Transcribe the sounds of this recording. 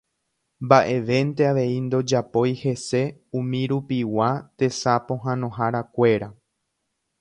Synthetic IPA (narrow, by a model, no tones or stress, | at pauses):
mbaʔe̞ʋe̞nt̪e̞aʋe̞ind̪o̞d͡ʒapo̞jhe̞se̞ũmĩɾupiwat̪e̞sapõ̞ɦãnõ̞ɦaɾakʷe̞ɾa